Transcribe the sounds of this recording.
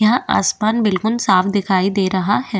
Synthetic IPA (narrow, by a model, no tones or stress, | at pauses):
jɐɦãʔa̰ːspaːnbɪlkʊlsaːfd̪ɪkʰaːid̪eːɾɐɦahɛː